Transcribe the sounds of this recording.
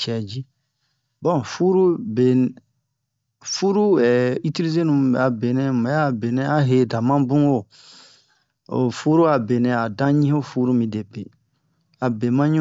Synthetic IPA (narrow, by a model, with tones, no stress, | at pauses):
t͡ʃɛ˨d͡ʒi˦ | bɔ̃˦˨fu˦ɾu˦be˨ | fu˦ɾu˦ɛ˨i˦ti˦li˦ze˦nũ˨a˨be˨nɛ̃˦mã˨a˦˨be˨nɛ̃˦a˦ɦe˨dã˨mã˦bũ˦o˦˨ | o̰˨fu˦ɾu˦a˨be˨nɛ̃˨a˨dã˦ɲĩ˦ho˦fu˦ɾu˦mĩ˨de˨pe˨ | a˨be˨mã˦ɲũ˦